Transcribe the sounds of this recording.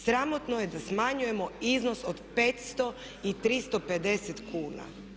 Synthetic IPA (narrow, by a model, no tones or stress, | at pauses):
sɾamot̪noje̞d̪asmaɲuje̞mo̞iznosod̪peːt̪st̪o̞ | it̪ɾist̪ope̞d̪e̞set̪kʰuːna̰